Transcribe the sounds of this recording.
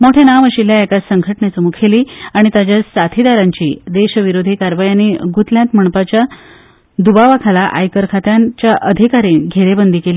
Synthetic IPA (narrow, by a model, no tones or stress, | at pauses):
moʈʰenaʋəɕiljaekasəŋɡʱəʈnet͡səmukʰeliːaɽ̃it̪at͡ɕjasat̪ʰid̪aɾaɲt͡ɕiːd̪eɕʋiɾod̪ʱikaɾʋajaniɡut̪ljãnt̪m̤əɳ̃pat͡ɕja | d̪ubaʋakʰalaʔa̰jkəɾkʰat̪jant͡ɕjaʔəd̪ʱikaɾiːɡʱeɾebənd̪ʱikeliː